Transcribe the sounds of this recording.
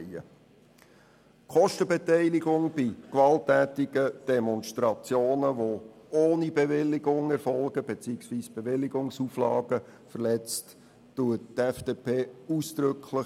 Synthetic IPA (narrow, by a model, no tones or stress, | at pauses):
ə̰ | kʰχɔʃtəbɛtɛɪliɡʊŋb̥ikʋɑltːæːtɪɡ̥əd̥ɛmɔnʃtɾɑt͡sjoːnəʋooːnibevɪlːɪɡʊŋɛrfɔlɡəb̥et͡siːksʋiːsb̥eʋɪlːɪɡʊŋsuːflɑ̰ːɡə | fərlɛt͡st | tuəttɛfd̥eːpeːuːsd̪̥ɾʏkʰlɪ